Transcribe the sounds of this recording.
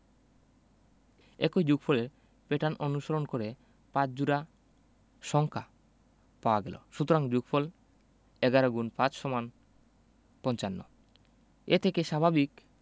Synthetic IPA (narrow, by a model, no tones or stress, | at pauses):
ḛkod͡ʑuɡfʰoleɾ | peʈanʔonuʃoɾonkoɾe | pat͡ɕd͡ʑuɾa | ʃɔŋkʰa | paoaɡɛlo̰ʃut̪oɾaŋd͡ʑuɡfʰol | ɛɡaɾoɡunpãt͡ɕʃɔman | pɔnt͡ɕanːo̰ | et̪ʰekeʃabʱabik